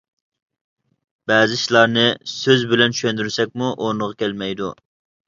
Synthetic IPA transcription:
bɛːzɪʃlˠɑɾnɨsøzbɪlɛnt͡ʃʰy̥ʃɛnd̪yɾsɛk̚ʲmuʔoɾnəʁɑkʲʰɛlmɛjd̪ṵ

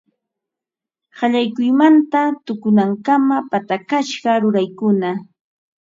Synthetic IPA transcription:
hɑʎajkʊjmant̪at̪ʊkʊnaŋkamapat̪akaʃɢɑɾʊɾajkʊna

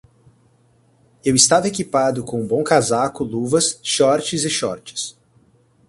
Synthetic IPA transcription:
ewɪst̪avɐekipad̪ʊkõũbõw̃kazakʊluvɐsʃɔɾt͡ʃɪzɪʃɔɾt͡ʃɪ̥s

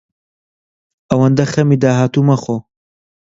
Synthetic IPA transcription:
ɐwɐnd̪ɐxɐmid̪aːɦaːt̪umɐxo

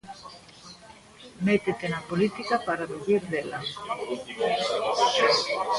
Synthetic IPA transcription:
met̪et̪enapolit̪ikapaɾaðuβiɾðela

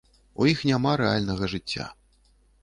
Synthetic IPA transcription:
ujixnʲamaɾɛalʲnɐɣɐʐɨt͡sʲːa̰

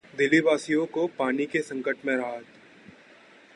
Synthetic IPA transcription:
d̪ɪlibaːsijõkopaːnikesɐ̃ŋkəʈmẽɾɐɦat̪

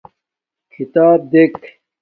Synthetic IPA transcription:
kʰit̪aːb̚d̪ek

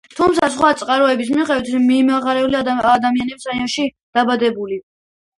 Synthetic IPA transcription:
t̪ʰumt̪sʰas̬χwat̪sʼqʼaɾɔɛbis̬miχɛwit̪miːmaʁaɾɛuliaad̪amianɛbsaiɔnʃi | d̪̥abad̪ɛbuli

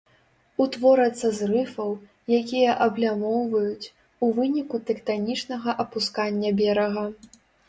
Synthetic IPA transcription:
ut̪vɔɾɐt̪sːɐzrɨfɐw | jakʲijɐʔɐblʲamɔwvɐjut͡sʲ | uvɨnʲikut̪ɛkt̪anʲit͡ʂnɐɣɐʔɐpuskanʲːɐbʲɛɾɐɣɐ

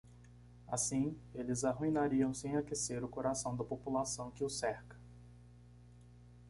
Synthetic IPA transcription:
asĩelɪzaɦuĩnaɾiɐ̃w̃sẽj̃akeseɾʊkoɾasɐ̃w̃d̪ɐpopulasɐ̃w̃kɪʊsɛɾkɐ̥

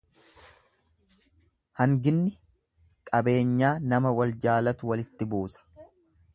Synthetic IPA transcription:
hɐŋɡɪnːɪ | kʼɐbe̞ːɲːaːnɐmɐwɐld͡ʒaːlɐt̪ʊwɐlɪt̪ːɪbuːsɐ̥

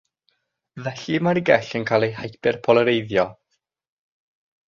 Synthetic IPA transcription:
vɛɬimaɾiɡɛɬənkʰaːlˠejɦajpɪrpʰɔlˠəɾejðjɔ

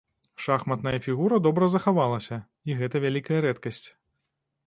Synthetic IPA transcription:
ʂaxmɐt̪nɐjɐfʲiɣuɾɐd̪ɔbɾɐzɐxavalˠɐsʲɐ | iɣɛt̪ɐvʲalʲikɐjɐɾɛt̪kɐsʲt͡sʲ

